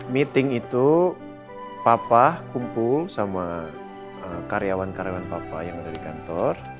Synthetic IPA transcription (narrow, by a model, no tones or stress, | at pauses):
mit̪ɪŋit̪u | papahkumpʊlsama | əkaɾjawankaɾjawanpapahjaŋədadikant̪ɔr